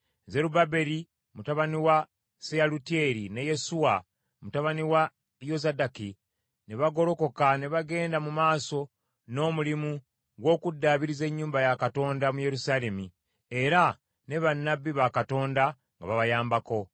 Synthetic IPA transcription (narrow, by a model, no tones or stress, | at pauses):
ze̞ɾubabe̞ɾi | mutaβaniwa | sealutie̞ɾine̞je̞suwa | mutaβaniwa | jo̞zadaki | neβaɡo̞ɾo̞ko̞kane̞βaɡe̞ːndamumaːso̞ | no̞ːmulimu | ɡwo̞ːkudːaːβiɾize̞ɲːuːmbajakato̞ːndamuje̞ɾusaːle̞mi | e̞ɾa | ne̞βanːabːiβakato̞ːnda | ŋɡa̰βaβajaːmbako̞